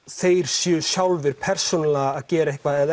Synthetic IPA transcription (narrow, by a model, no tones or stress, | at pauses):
θeːjɾ̥sjœsjawlvɪɾ̥pʰɛr̥sɔnalaːðcɛːɾaehkvaðɛð